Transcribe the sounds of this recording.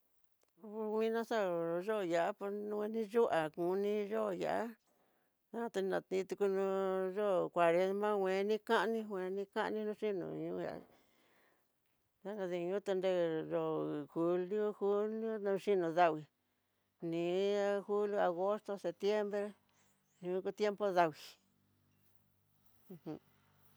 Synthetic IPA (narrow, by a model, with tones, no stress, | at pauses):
u˧wĩ˦nã˦sa˦˨˧ʒo˦˨ja˨ʔa˦po˧nũ˧e˧nĩ˦ʒu˦ʔa˨kũ˨˧˦nĩ˦ʒo˦˨ja̰˨ʔa˦ | ã˦˧t̪e˧nã˧˨t̪ĩ˧˦t̪u˧ku˧nũ˧˦ʒo˦˨kʷa˨ɾe˧˦mã˦wʷẽ˧˦nĩ˦kã˦ʔnĩ˦hʷẽ˧˦nĩ˦kã˦ʔnĩ˦nũ˧˦ʃi˦nṵ̃˧˨ɲũ˧˦ja̰˨˦ | ða˦ŋɡa˧ði˧ɲũ˦t̪e˧nde˧˨ʐo˧˨xu˧li˦o˦hu˦ljo˦ũ˧ʃi˦nũ˧˨ða˧wi˧ | nĩː˨xu˦lju˦˧a˨ɣo˦st̪o˧se˧˨t̪je˦mbɾe˦ | ɲũ˧˦ku˧t̪je˦mpo˦ða˧wi˨˧ | ũ˧